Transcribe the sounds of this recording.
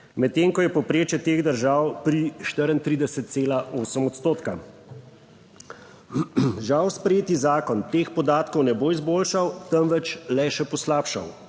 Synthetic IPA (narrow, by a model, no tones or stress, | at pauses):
mɛt̪ːeːŋkɔjɛpɔpɾeːt͡ʃjɛt̪eːɣd̪əɾʒawpɾiʃt̪əɾənt̪ɾiːd̪ɛsət̪̚seːlaʔoːsəmɔt̪st̪oːt̪ka̰ | ʒawspɾɛjeːt̪izaːkɔnt̪eːxpɔd̪aːt̪kɔwnɛboizboːlʃawt̪əmʋɛt͡ʃlɛʃɛpɔslaːpʃa̰w